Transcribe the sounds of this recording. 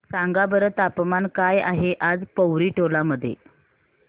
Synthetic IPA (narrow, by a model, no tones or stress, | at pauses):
saŋɡabəɾət̪apmankaja̰ɦeʔad͡zpəwɾiːʈʰolaməd̪ʱːjḛ